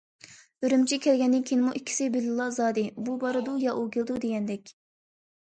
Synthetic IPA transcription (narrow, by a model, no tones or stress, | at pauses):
øɾymt͡ʃʰikʲʰɛlɡʲɛnd̪ɪnkʲʰinɪmuʔikʲʰːi̥sɪbɪlɨlˠːɑzɑːd̪ɪbubɑɾɨd̪ujɑʔuɡʲelˠd̪ud̪eɡʲɛnd̪ɛkʲ